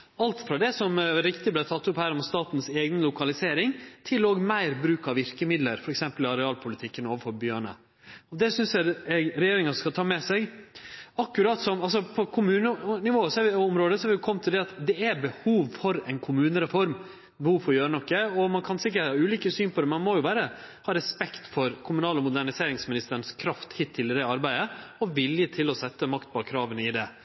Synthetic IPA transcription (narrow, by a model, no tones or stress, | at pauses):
ɑlt̪fɾɑd̪ɛsɔmɾɪkt̪ɪblæɪt̪ʰɑt̪ːʊphæːɾɔmst̪ɑːt̪n̩seːɡnəlʊkʰɑlɪseːɾɪŋt̪ʰɪloːɡmæɪɾbɾʉːkɑʋɪɾkəmɪd̪ləɾfɔɾɛksɛmpəlɪɑɾɛɑːlpʰʊlɪt̪ʰɪkːənoːʋəfɔɾbjøːɳə̰ | ɔd̪ɛsʏnsjæɛɾɛjeːɾɪŋɑɔskɑt̪ʰɑːmɛsɛɡ | ɑkːʉɾɑt̪sɔmɑls̬ɔpʰɔkʰʊmʉːnənɪʋoːəsɔɑɾʋɪɔmɾoːd̪əsɔhɑɾʋɪjʊkʰɔmːt̪ʰɪld̪ɛɑt̪d̪ɛæbəhuːʋfɔɾɛɪnkʰʊmʉːnəɾɛfɔɾm | bəhuːʋfɔɾɔjøːɾənɔkːəɔmɑnkʰɑnsɪk̬ːəʈɑːʉːliːkəsyːnpʰɔd̪ɛmɛnmɔjʊʋæːɾə | hɑːɾɛspɛkt̪fɔɾkʰʊmʉnɑːləmʊd̪æɳɪseːɾɪŋsmɪnɪst̪əɾɳskʰɾɑft̪hɪt̪ʰːɪld̪ɛɑɾbæɪəɔʋɪljət̪ʰɪlɔsɛt̪ːəmɑkt̪̚bɑkʰɾɑːʋənəɪd̪ɛ